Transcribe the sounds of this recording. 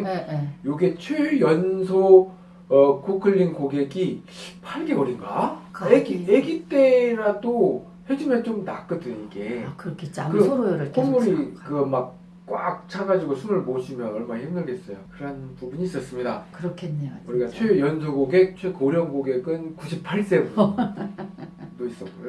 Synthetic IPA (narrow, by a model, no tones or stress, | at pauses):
joɡet͡ɕʰwejʌnsʰo | ʌkʰokʰɯɭːiŋkoɡe̞ɡi | pʰaɭɡe̞ʌɾiŋɡaeɡieɡit͈eɾado | hed͡ʑimet͡ɕomnak͈ɯdɯoiɡe̞kɯɾʌkʰet͡ɕkɯoɾoɾkʰmuɾikɯmak̚ | k͈wa̰k̚t͡ɕʰaɡad͡ʑiɡosʰumɯɭmoɕʰimjʌnʌɭmahimdɯɭɡe̞s͈ʌjokɯɾʌnpubuɲiːs͈ʌs͈ɯmɲidakɯɾʌkʰenːuɾiɡat͡ɕʰwejʌnsʰoɡoɡe̞k̚t͡ɕʰwekoɾjʌŋɡoɡe̞ɡɯnkuɕʰipʰaɭs͈e̞bu | dois͈ʌk͈ojo